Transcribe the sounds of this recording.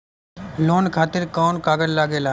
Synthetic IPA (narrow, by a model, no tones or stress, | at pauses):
loːnkʰaːt̪ɪɾkaːnkaːɡəllaːɡeːlaː